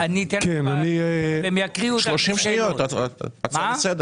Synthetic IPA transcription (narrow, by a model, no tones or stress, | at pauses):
anit̪enkenanibemejakʁiuloʃimʃijot̪amabsed̪e